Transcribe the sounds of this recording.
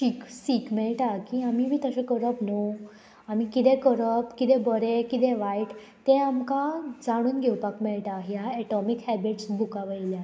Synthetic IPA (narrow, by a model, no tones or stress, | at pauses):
ɕiksikmɛɭʈakiːamiʋʱiːt̪əɕẽkəɾəpno | am̤ikit̪ekəɾəpkit̪ẽbəɾekit̪eʋajʈ | t̪ẽamkad͡zaɽ̃uːnɡʱewpakmɛɭʈaɦjaɛʈɔmikhɛbiʈsbʱukaʋəjlja